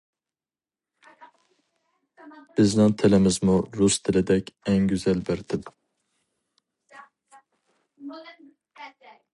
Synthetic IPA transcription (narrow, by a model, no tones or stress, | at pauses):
b̥ɪznɪŋt̪ʰelɪmɪzmuɾust̪ʰɪlɪd̪ɛkʲɛŋɡʲyzælbæɾt̪ʰɪlɪ